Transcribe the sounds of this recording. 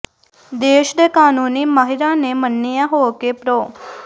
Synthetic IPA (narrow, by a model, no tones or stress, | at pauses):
d̪eːʃd̪ekaːnuːniːmaːɦɪɾãːnemənːijãːɦoːkepɾoː